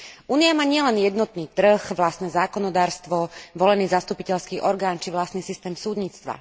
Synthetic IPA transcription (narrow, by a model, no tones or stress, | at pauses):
ʔuːniamaːɲɪɛlɛnjɛd̪nɔt̪niːt̪r̩xʋlast̪nɛzaːkɔnɔd̪aːɾst̪ʋɔʋɔlɛniːzast̪upicɛʎskiːʔɔɾɡaːnt͡ʃiʋlast̪niːsist̪ɛːmsuːd̪ɲiːt͡st̪ʋa̰